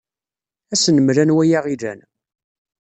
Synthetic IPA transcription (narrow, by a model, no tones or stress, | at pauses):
æsnəmɾænwæjaʁiðæ̰n